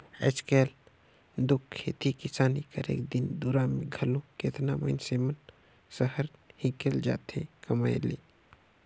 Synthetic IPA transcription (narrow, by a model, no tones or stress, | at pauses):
ɛ̰t͡ʃkeːl | d̪ʊkʰːeːt̪ikɪsaːnikaɾḛːk̚d̪ɪnd̪uɾamẽɡʱəlõket̪namə̰ɪnsemən | səɦəɾhĩkeld͡ʒa̰ːt̪ʰḛ̃kəmaːjlḛː